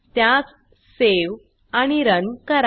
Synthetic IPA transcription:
t̪jat͡s | seʋ | aɽ̃iɾənkəɾ

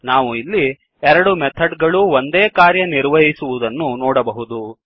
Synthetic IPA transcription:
naːʋuilːi | ɛɾɐɽumɛt̪ʰɐɖɡɐɭuond̪e̞ːkaːɾjɐniɾʋɐɦisuʋud̪ɐnːunɔːɽɐbɐɦud̪u

